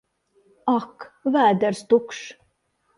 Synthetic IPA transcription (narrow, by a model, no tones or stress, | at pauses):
ɑkvæːd̪əɾst̪ukʂ